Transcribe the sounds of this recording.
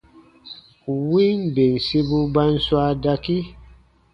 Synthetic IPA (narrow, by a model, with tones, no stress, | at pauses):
u˨wi˦nbe˨n˨si˦bu˦ba˦n̩˦swa˦da˦˧ki˦